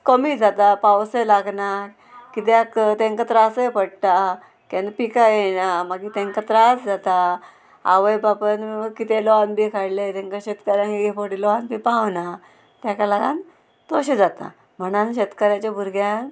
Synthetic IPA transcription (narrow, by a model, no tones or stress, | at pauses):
kəmid͡zat̪apawsəjlaɡna | kit̪̬jkt̪ẽŋkat̪ɾasəjpəɽt̪a | kẽnpikajenamaɡit̪ẽŋkat̪ɾasd͡zat̪a | a̰ʋəjbapənkit̪elɔʋanbikʰaɽlet̪eŋkaɕet̪kəɾjãkiɡepoʈilɔʋanbipãʋna | t̪jakalaɡa̰n | t̪oɕed͡zat̪a̰ | m̤əɽ̃anɕet̪kəɾjat͡ɕabʱuɾɡjan